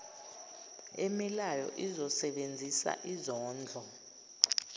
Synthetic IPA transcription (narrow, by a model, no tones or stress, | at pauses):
emilajɔ̰ʔizɔsɛɓend͡zʱisa̰ʔizɔːnd͡ɮʱɔ